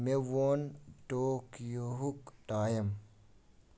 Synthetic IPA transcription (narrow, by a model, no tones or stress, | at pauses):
mewoːntoːkjoɦukʈaːjɐm